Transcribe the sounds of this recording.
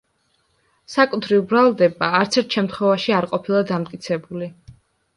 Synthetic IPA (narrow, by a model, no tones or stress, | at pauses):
sakʼut̪ʰɾivbɾalˠd̪ɛbaːɾt̪sʰɛɾt̪ʰʃɛmt̪χwɛvaʃiaɾqʼɔpʰilˠad̪amt̪kʼit̪sʰɛbuli